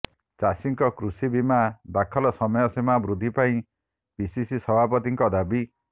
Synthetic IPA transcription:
t͡ʃasiŋkɔkɾusibimad̪akʰɔlɔsɔmɔjɔsemabɾud̪ʱipaĩ | bisisisɔbʱap̬ɔt̪iŋkɔd̪abi

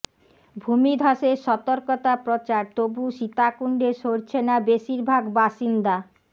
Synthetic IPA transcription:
bʱumid̪ʱaʃeɾʃɔt̪oɾkɔt̪apɾot͡ɕaɾt̪obuʃit̪akuɳɖeʃoɾt͡ɕʰenabeʃiɾbʱaɡbaʃind̪a

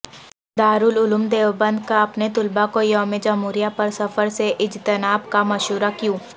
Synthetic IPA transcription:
d̪aːɾʊːlʊlʊmd̪eːʋbə̃nd̪kaɐpnet̪ʊlbakojɔːmed͡ʒamuːɾijapɐɾsɐfəɾseʔɪd͡ʒt̪ənaːbkamɐʃuːɾakjũː

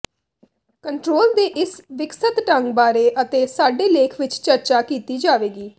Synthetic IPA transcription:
kəɳʈɾoːld̪eːʔɪsʋɪksət̪ʈəŋɡbaːɾeːʔət̪eːsaːɖeːleːkʰʋɪt͡ʃt͡ʃəɾt͡ʃaːkiːt̪iːd͡ʒaːʋeːɡiː

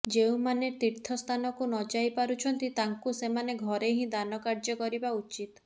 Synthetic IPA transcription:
d͡ʒeũmanet̪iɾt̪ʰɔst̪ʰanɔkunɔd͡ʒajpaɾut͡ʃʰɔnt̪it̪aŋkusemaneɡʱɔɾeɦĩd̪anɔkaɾd͡ʒɔkɔɾibaut͡ʃit̪

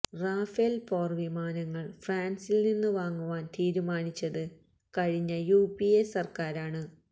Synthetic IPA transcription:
raːfelfoːrʋimaːnɐŋːɐɭfaːnsilninːɨʋaːŋːuʋaːnt̪iːɾumaːnit͡ɕːɐðɨ | kɐɻiɲːɐjuːpiesɐrkaːɾaːɳɨ

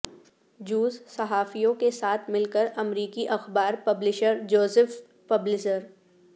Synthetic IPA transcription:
d͡ʒuːzsɐɦaːfijõkesaːt̪ʰmɪlkəɾɐmɾiːkiʔɐxbaːɾpɐblɪʃəɾd͡ʒoːzəf | pɐblɪʃəɾ

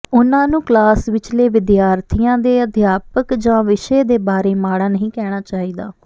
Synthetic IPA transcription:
ʊnãːnũːklaːsʋɪt͡ʃleːʋɪd̪jaːɾt̪ʰijãːd̪eːəd̪ʱjaːpəkd͡ʒãːʋɪʃeːd̪eːbaːɾeːmaːɽaːnəɦĩːkɛːɽ̃aːt͡ʃaːiːd̪a̰ː

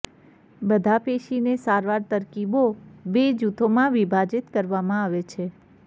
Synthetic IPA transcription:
bəd̪ʱapeʃinesaɾʋaɾt̪əɾkibobed͡ʒut̪ʰomãʋibʱad͡ʒɪt̪kəɾʋamãaʋet͡ʃʰe

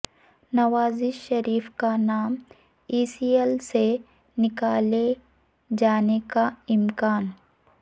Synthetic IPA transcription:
nɐʋaːziʃɐɾiːfkanaːm | iːsiːelse | nɪkaːle | d͡ʒaːnekaɪmkaːn

